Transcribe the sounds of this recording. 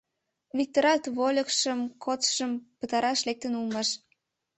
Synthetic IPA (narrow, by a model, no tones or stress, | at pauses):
βik̚t̪oɾɑt̪βolʲəkʃəmkʰot͡sʃəmpət̪ɑɾɑʃlek̚t̪ənulmɑʃ